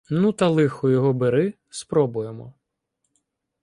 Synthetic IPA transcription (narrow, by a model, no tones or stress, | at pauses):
nut̪ɐlˠɪxɔjɔɦɔbeɾɪ | spɾɔbʊjemɔ̰